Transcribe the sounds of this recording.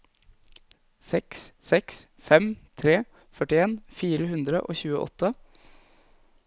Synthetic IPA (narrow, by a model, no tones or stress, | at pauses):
sɛkssɛks | fɛmt̪ʰɾeː | fœʈɪeːnfiːɾəhʉnd̪ɾə̰ʔo̰ːçʉːə̰ʔɔ̰t̪ʰːə